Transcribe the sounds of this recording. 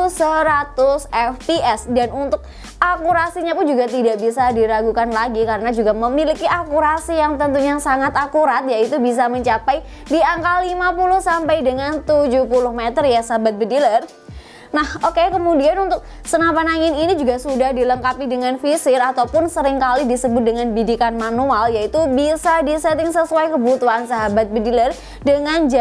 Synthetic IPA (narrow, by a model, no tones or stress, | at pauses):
səɾat̪ʊsɛfpiʔɛsdanunt̪ʊk̚ | akuɾasiɲapʊnd͡ʒuɡat̪idaʔbisadiɾaɡukanlaɡikaɾənad͡ʒuɡaməmilikiʔakuɾasijaŋt̪ənt̪uɲasaŋat̪akuɾat̪̚jait̪ubis̬aməɲt͡ʃapaj | diaŋkalːimapulʊhsampajdəŋant̪ud͡ʒuhpulʊhmet̪ərjasaɦabat̪̚bədilər | nahokekəmudianunt̪ʊk̚ | sənapanaŋɪninid͡ʒuɡasudahdiləŋkapidəŋanfisɪɾat̪awpʊnsəɾɪŋkalidisəbʊt̪̚dəŋanbidikanmanualjait̪ubisadisɛt̪ɪŋsəsuajkəbut̪uansaɦabat̪̚bədilər | dəŋand͡ʒa